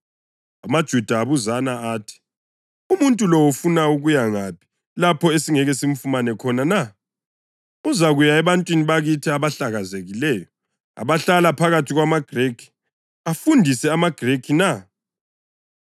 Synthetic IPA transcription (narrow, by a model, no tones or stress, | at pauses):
amad̥ʒ̥ʱud̥ʱaːβuzanaaːtʰi̥ | umuntʼulɔwufunauɣujaŋapʰi̥ | lapʰɔesiŋɛɣɛsiɱ̩fumanɛkʰɔnana | uzaɣujaɛβantʼwiniβaɣitʰiaβaɬaɣazeɣilɛːjɔ | a̰βaɬalapʰaɣatʰiɣwamaɡ̥ʱrekʰi̥ | afundʱisɛamaɡ̥ʱrekʰina